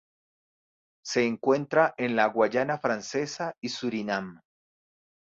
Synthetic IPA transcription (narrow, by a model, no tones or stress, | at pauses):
se̞ːŋkwe̞nt̪ɾaʔenlaɣwaʝanafɾanse̞saisuɾinam